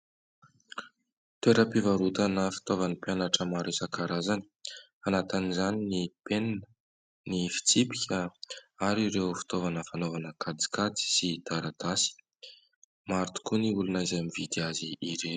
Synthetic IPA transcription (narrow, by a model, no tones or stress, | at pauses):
t̪eɾəpivaɾut̪anəfi̥t̪ovanipjanaʈ͡ʂəmaɾisakaɾazani̥ | anat̪anizaninipenn | nifi̥t͡sipikʲəaɾiɾewfi̥t̪ovanəfanovanəkʰad̪i̥kat͡si̥sid̪̥aɾad̪̥asi̥ | maɾt̪u̥kuniulunajzamivid̪iaziːɾe